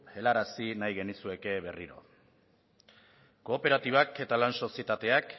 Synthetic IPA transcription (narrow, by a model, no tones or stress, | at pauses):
e̞laɾasinajɣe̞nisue̞ke̞βe̞riɾo̞̰ | ko̞ːpe̞ɾat̪iβ̞ake̞t̪alanso̞siet̪at̪e̞ak